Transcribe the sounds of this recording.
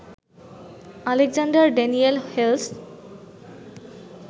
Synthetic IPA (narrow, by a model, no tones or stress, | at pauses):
aleɡzandaɹɖenielhels